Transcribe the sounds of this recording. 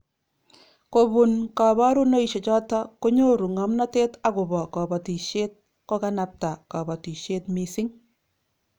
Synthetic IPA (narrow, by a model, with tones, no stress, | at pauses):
ko˨bu˨nka˨βa˦ɾu˦no˦i˨ʃɔ˨t͡ʃɔ˦tɔ˦ku˦ɲo˦ɾu˨ŋɔ˨mna˦te˦ta˨kʊ˨bɔ˨kɔ˨bɔ˨ti˨ʃe˦t̚ | ko˦ka˦na˨p̚ta˨kɔ˨ba˨ti˨ʃe˦tmi˨sɪ˦ŋ